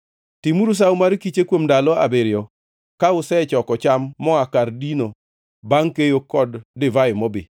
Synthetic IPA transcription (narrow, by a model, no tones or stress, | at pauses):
timuɾus̬aʊmaɾkit͡ʃekwomdalɔa̰beɾɪjɔ | kaʊsɛt͡ʃɔkɔt͡ʃamːɔakardino | baŋkejokɔdːɪvajɪmɔbɪ̰